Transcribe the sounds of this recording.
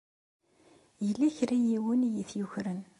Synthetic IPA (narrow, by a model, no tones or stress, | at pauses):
jəlːæçɾæjiwənjiθjuçɾən